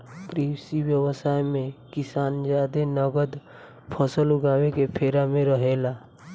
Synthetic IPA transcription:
pɾiːwsiwjəwəsaːjmẽkɪsaːnd͡ʒaːd̪enəɡəd̪ | pʰəsəlʊɡaːwekepʰeːɾamẽɾəɦeːlaː

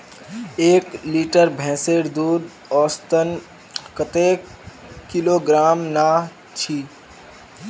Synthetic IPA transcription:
eːkliːʈəɾbʱɛ̃ːseːɾd̪uːd̪ | ɔːst̪ən | kət̪eːkkiloɡɾaːmna | t͡ʃʰiː

